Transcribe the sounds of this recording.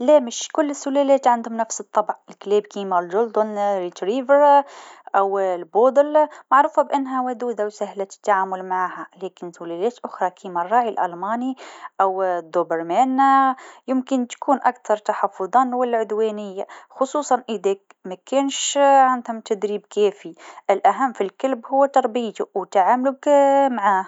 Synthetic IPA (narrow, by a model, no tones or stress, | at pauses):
læmɪʃkʊlːɪsːʊlælɛːt̪ʕand̪hʊmnæfsɨt̪ˤːɑbʕɪlklɛːbkiːmælʒʊld̪ʊnɾit̪ɾiːvəɾʔæwlboːd̪lmaʕɾuːfabʔanːɦæwæd̪uːd̪awsæhlat̪ɪ̥t̪ːaʕaːmʊlmaʕaːhalɛːkɪnsʊlælɛːt̪ʔʊxɾˤɑkʰiːmærˤːɑːʕilʔæ̰lmɑːniʔawd̪ːobɪɾmaːnjɪmkɪnt̪ḁkuːnʔakt̪ɑɾˤt̪aħɑfːʊðˤɑːnwalːaʕʊd̪weːnɪjːaxʊsˤuːsˤɑnʔɪd̪ak | makeːnʃʕand̪hʊmt̪ad̪ɾiːbkeːfiʔɪlʔaɦamːfilkalbhʊwːat̪ɑɾˤbiːt̪ʊwt̪aʕaːmlʊkmaʕaːh